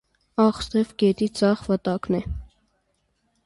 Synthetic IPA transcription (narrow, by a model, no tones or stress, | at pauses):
ɑχst̪ɛvɡɛt̪id͡zɑχvət̪ɑknɛ